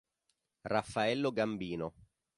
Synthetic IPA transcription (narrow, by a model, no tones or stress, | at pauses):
rafːaɛlːoɡambiːno